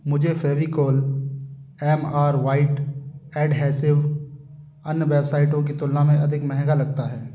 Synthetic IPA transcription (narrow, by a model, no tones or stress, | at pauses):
mʊd͡ʒʱefʰɛːʋikoːl | ɛːmaːɾʋaːɪʈɛːɖɦɛːsɪʋ | ɐnjʋɛːbsaːɪʈõk̬it̪ʊlnamẽʔɐd̪ʱɪkmɛɦɛ̃ɡalɐɡt̪aɦɛː